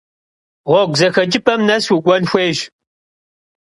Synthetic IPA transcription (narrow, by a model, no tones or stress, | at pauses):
ʁʷɔɡʷzɐxɐd͡ʒʼɪpʰɐmnɐswiɡʷɔnxʷeːʒ